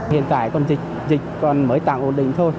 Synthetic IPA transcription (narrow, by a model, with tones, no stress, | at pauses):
hḭ˧˨ənt̪a̰ː˧˨jkɔ˧˩nzï˨˩k̟̚ | zï˨˩k̟̚kɔ˨˩nməː˨˦jt̪a̰ː˧˨ŋʔo˧˩nɗï˧˨ŋ̟t̪ʰo˧j